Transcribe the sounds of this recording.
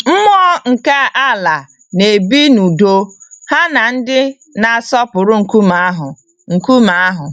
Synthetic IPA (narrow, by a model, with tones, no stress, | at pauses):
m̩˦mɔ˦ɔ˦ŋ̩˨ka˦a˦la˨ | ne˨bi˦nu˨do˦ha˦na˨n̩˦dɪ˦ | na˨sɔ˦pʊ˨ɾʊ˦ŋ̩˨ku˦ma˦ɦʊ˨ | ŋ̩˨ku˦ma˨a˦ɦʊ˨